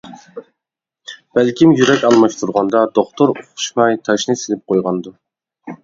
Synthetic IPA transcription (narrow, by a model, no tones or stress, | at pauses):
b̥ælkʲʰimjyɾɛkʲɑlˠmɑʃt̪ʰuɾʁɑnd̪ɑd̪oχt̪ʰoɾoqʰʊ̥ʃmɑjt̪ʰɑʃnɨsɪlɪp̚qʰojʁɑnd̪u